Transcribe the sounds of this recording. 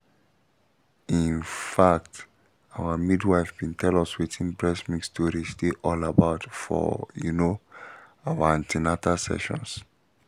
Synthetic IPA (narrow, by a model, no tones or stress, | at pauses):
ĩnfak̚t | awamidwaɪfbĩntʰɛlɔswitʰĩnbɹɛsmĩkstʰɔɹisteʔɔlabaʊtfɔ̰jṵno | awaãntʰinatasɛ̰ʃɔ̰̃ns